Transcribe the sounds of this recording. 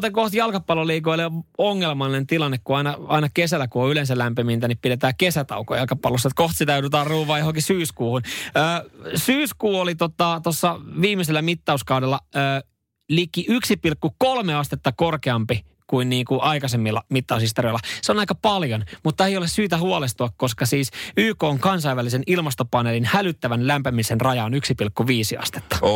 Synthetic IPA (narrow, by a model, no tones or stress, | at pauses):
t̪ekoht̪jɑlkɑpːɑloliːkoiloŋːelmɑnent̪ilɑnːekkuɑinɑɑinɑkesælːˑækuoylensælæmpimint̪ænippidet̪æːkesæt̪ɑ̰uko̰jɑlkɑpːɑlːosːɑet̪koht̪sit̪æjoudut̪ɑːrruːʋˑɑːjohoŋkisyːskuːhunøːsyːskuːolit̪ot̪ɑt̪osːɑʋiːmːˑiselːæmit̪ːɑuskɑudelːɑøː | likːiʔyksipilkːukolmeɑst̪et̪ːɑkorkeɑmpi | kuinniːŋkuʔɑikɑsemːilːɑmit̪ːɑushist̪orioilːɑseonɑikɑpɑljonmut̪ːɑeijolessyːt̪æhuɑlest̪uɑkkoskɑsiːsyːkoːŋkɑnsɑiʋælisenilmɑst̪opɑnelinhælyt̪ːæʋænlæmpæmisenrɑjɑonyksipilkːuʋiːsiɑ̰st̪e̥t̪ːɑ̥